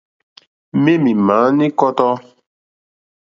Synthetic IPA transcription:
me˦mĩ˨mãː˨˦nĩ˦kɔ˦t̪ɔ˦

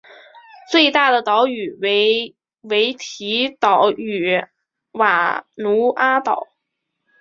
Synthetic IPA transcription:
t͡swe˥˧ɪt̪a˥˩d̪ə˩t̪ɑ˧˥ʊy˨˩we˧˥ɪ | we˧˥ɪt̪ʰi˧˥t̪ɑ˨˩ʊy˨˩ | wa˨˩nu˧˥a˥t̪ɑ˨˩˦ʊ

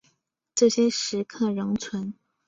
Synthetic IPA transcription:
ʈ͡ʂɤ˥˩ɕjɛ˥ʂɻ̩˧˥kʰɤ˥˩ɻə˧˥ŋt͡sʰwə˧˥n

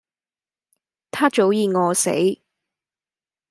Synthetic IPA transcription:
t̪ʰaː˥t͡ʃo˨˥wjiː˨˧ŋɔː˨˧sḛ˨˥j

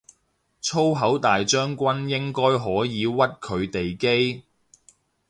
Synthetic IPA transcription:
t͡sʰo˥wɦɐ˨˥wt̪aː˨jt͡ʃœː˥ŋkʷɐ˥njɪ˥ŋkɔː˥jɦɔː˨˥jiː˨˧wɐ˥t̚kʰɵ˨˧ɥt̪e˨jke˥j

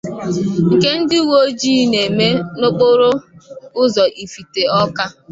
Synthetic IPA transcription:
ŋ̩˨ke˦n̩˦dɪ˦wo˦d͡ʒi˦ne˨me˦no˦k͡po˦ɾo˦ʊ˦zɔ˨ʔi˨fi˨te˨ɔ˦ka˦

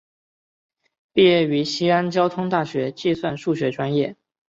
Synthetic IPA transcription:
pi˥˧jɛ˥˩y˧˥ɕi˥a˥nt͡ɕjɑ˥ʊt̪ʰʊ˥ŋt̪a˥˩ɕɥɛ˧˥t͡ɕi˥˧swa˥˧nʂu˥˩ɕɥɛ˧˥ʈ͡ʂwa˥njɛ˥˩

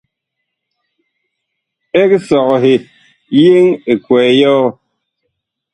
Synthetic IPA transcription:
e˦ksɔ˨ɣɔ˨ɦe˨ | je˦ŋe˨kwɛː˨˦jɔ˦ɣ

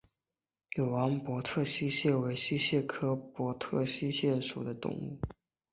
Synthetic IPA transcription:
jo˨˩ʊwa˧˥npwɔ˧˥t̪ʰɤ˥˩ɕi˥ɕjɛ˥˩we˧˥ɪɕi˥ɕjɛ˥˩kʰɤ˥pwɔ˧˥t̪ʰɤ˥˩ɕi˥ɕjɛ˥˩nʂu˨˩d̪ə˦t̪ʊ̰˥˧ŋṵ˥˩

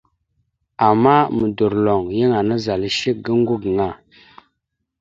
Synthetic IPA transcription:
a˨mːa˦mə˨du˨ɾlo˨ŋjə˦ŋa˨nə˦za˨lə˦ʃi˦k̚ɡə˦ŋ˦ɡu˦ɡə˨ŋa˨

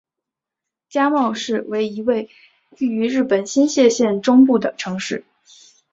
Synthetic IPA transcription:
t͡ɕja˥mɑ˥˧ʊʂɻ̩˥˩we˧˥ɪi˧˥we˥˧ɪ | y˥˩y˧˥ɻɻ̩˥˩pə˨˩nɕi˥nɕjɛ˥˧ɕjɛ˥˩nʈ͡ʂʊ˥ŋpu˥˩d̪ə˩ʈ͡ʂʰɤ˧˥ŋʂɻ̩˥˩

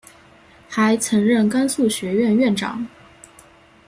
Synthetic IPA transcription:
xa˧˥ɪt͡sʰɤ˧˥ŋɻə˥˩nka˥nsu˥˩ɕɥɛ˧˥ɥɛ˥˧nɥɛ˥˩nʈ͡ʂɑ̰˨˩˦ŋ

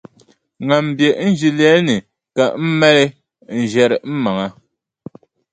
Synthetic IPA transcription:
ŋa˨m̩˨bje˨˦n̩˦d͡ʒi˦lɛ˦ni˨ | ka˨ʔm̩˦mɛ˦lɛ˦ | n̩˨d͡ʒɛ˦˨ɾɛ˨m̩˦ma˨ŋa˦

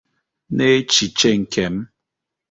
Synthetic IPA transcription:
ne˦t͡ʃi˨t͡ʃe˦˨ŋ̩˨kʰɛ˨˦m

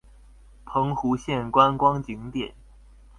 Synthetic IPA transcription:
pʰɤ˧˥ŋxu˧˥ɕjɛ˥˩nkwa˥nkwɑ˥ŋt͡ɕi˧˥ŋt̪jɛ˨˩˦n

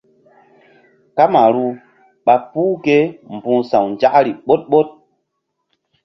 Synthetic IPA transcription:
ka˦ma˨ɾu˦ | ɓa˨puː˦ke˦m˨bũ˦sa˨wn˨d͡ʒa˦ʔɾi˨ɓo˦t̚ɓo˦t̚

